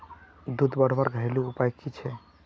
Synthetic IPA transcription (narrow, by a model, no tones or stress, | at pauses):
d̪ud̪ʱbəɽ̤bəɾɡʱəeluupajkit͡ʃʰɛ